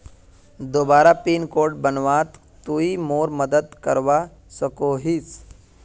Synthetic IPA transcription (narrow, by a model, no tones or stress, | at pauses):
d̪oːbaːɾapiːnkoːɾʈ̚bənʋat̪ | tːuimoːɾməd̪əd̪kəɾʋa | səkoɦit͡s